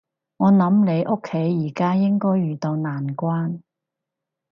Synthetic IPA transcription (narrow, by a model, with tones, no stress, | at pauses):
ŋɔː˨˧nɐ˨˥mle˨˧jʔʊ˥kʰːe˨˥jːiː˨˩kaː˥jɪ˥ŋkɔː˥jɥyː˨˩t̪o˧wnaː˨˩nkʷaː˥n